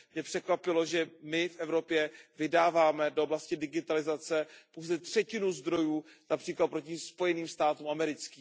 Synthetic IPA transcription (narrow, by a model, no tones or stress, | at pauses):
mɲɛpr̥ɛkvapɪlo̞ʒɛmɪfʔɛvɾo̞pjɛvɪdaːvaːmɛdooblascɪdɪɡɪt̪alɪzat͡sɛpowzɛt̪r̥ɛcɪnuzd̪ɾo̞juːnapr̥iːklat̪̚pɾo̞cɪspo̞jɛniːmst̪aːt̪uːmʔamɛɾɪt͡skiː